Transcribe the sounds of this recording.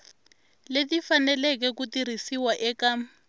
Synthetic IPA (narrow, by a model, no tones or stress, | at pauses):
letifanɛlɛk̬ɛkutir̤isiwaʔɛka